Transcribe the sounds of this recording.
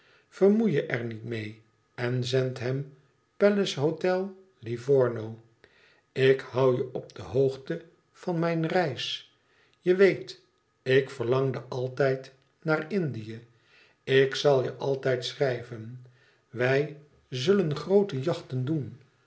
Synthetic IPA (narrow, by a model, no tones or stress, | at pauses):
v̥əɹmujəʔɛɹnitmej | ɛnzɛntɦɛm | pɛləsɦotɛlˠ | livɔɹnow | ɪkhɑwjəɔb̚d̥əɦowχtə | v̥ɑnmɛjnrɛjs | jəʋejt | ɪkfəɹlɑŋdəʔɑlˠtɛjt | naːrɪndijə | ɪksɑlˠjəʔɑlˠtɛjtsrɛjvən | ʋɛj | zɵlənχrowtəjɑχtəndun